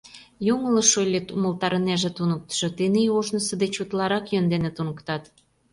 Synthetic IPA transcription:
juŋələʃojlʲet̪uməlt̪ɑɾə̆neʒet̪unək̚t̪ə̥ʃɤ̆t̪eneoʒnəsə̆d̪et͡ɕut̪lɑɾɑkjønd̪enet̪unəkt̪ɑt̪

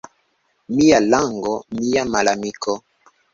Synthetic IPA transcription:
mijalaŋɡɔmijamalamikɔ

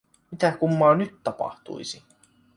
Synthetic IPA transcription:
mit̪ækumːɑːnyt̪t̪ɑpɑ̰ht̪ṵisi

